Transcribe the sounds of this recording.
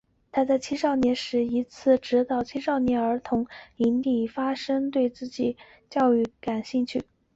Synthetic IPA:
t̪ʰa˥t͡sa˥˧ɪt͡ɕʰi˥ʂɑ˥˩ʊnjɛ˧˥nʂɻ̩˧˥i˧˥t͡sʰɹ̩˥˩ʈ͡ʂɻ̩˧˥t̪ɑ˥˩ʊt͡ɕʰi˥ʂɑ˥˩ʊnjɛ˧˥nə˞˧˥t̪ʰʊ˧˥ŋi˧˥nli˨˩fa˥ʂɤ˥ŋt̪we˥˧ɪt͡sɹ̩˥˩t͡ɕi˨˩ | t͡ɕjɑ˥˧ʊy˥˩ka˨˩nɕi˥˧ŋt͡ɕʰy˥˩

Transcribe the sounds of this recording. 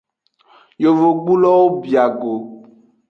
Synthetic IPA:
jo˨vo˨ɡ͡bu˦lɔ˦wo˦bi˨a˨ɡo˨

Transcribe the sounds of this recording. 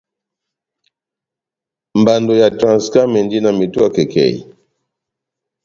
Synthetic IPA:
mba˨ndo˨ja˨tɾã˨nska˦mɛ˨ndi˦na˨mi˨twa˦kɛ˨kʰɛ̰˨ḭ˨

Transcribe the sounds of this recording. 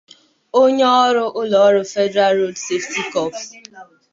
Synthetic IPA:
o˦ɲe˦ɔ˦ɾʊ˦ʔʊ˦lɔ˨˦ɾʊ˦fɛ˦dɾa˦lɾo˦dse˦fti˦kɔ˦p

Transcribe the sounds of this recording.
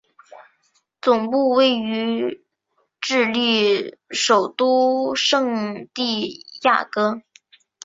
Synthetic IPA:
t͡sʊ˨˩ŋpu˥˧we˥˩ɪy˧˥ | ʈ͡ʂɻ̩˥˧li˥˩ʂo˨˩ʊt̪u˥˩ʂɤ˥˧ŋt̪i˥˧ja̰˥˩kɤ˥

